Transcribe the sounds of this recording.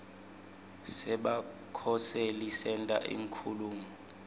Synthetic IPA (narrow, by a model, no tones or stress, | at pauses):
sɛɓa | kʰɔsɛlisɛntʼa̰ʔḭŋkʰuluːŋu